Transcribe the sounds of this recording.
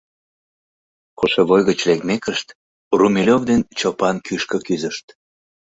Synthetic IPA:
koʃeβojɣət͡ɕlekmekəʃt̪ | rumilʲovd̪ent͡ɕopɑnkyʃkə̆kyzəʃt̪

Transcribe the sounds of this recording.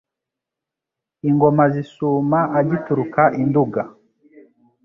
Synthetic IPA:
iŋɡɔmazisumaʔad͡ʒituɾukaʔinduɡa

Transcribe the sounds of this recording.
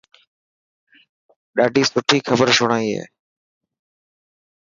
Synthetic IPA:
ɗaːɖʱiːsʊʈʰiːxʰəbəɾʃʊɽ̃aːiɦḛː

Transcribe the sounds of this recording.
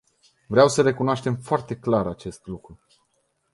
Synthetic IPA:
vɾeawsəɾe̞kunoaʃt̪e̞mfoart̪e̞klaɾat͡ʃe̞st̪lukɾu

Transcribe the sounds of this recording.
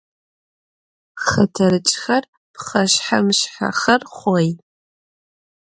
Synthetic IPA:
χɐtʰɐɾɨt͡ʃʼxɐr | pχɐʃħamɕħa̰χɐrχʷɔj

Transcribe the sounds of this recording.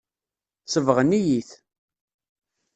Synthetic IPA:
səvʁənijiθ

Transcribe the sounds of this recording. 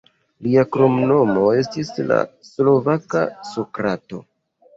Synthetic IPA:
liakɾo̞mno̞mo̞e̞stisla̰slo̞vaka̰so̞kɾato̞̰

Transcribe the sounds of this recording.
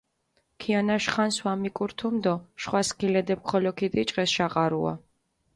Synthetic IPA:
kʰianaʃχanswamikʼuɾt̪ʰumd̪ɔʃχwaskʰilɛd̪ɛp̚kʰɔlɔkʰid̪it͡ʃʼqʼɛsʃaqʼaɾṵa̰

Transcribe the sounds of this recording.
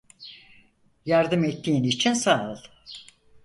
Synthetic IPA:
jaɾd̪ɯmɛt̪ʰːiːinit͡ʃʰinsaːɯlˠ

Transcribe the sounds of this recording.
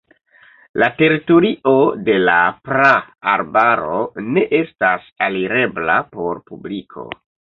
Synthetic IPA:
late̞ɾitoɾiʔo̞de̞la̰pɾaːɾbaɾo̞ne̞ʔe̞stasaliɾe̞blapo̞ɾpublikʰo̞̰

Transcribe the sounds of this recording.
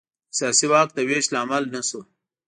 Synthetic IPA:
sjaːsiwaːk̚t̪aweslaːmalnaso

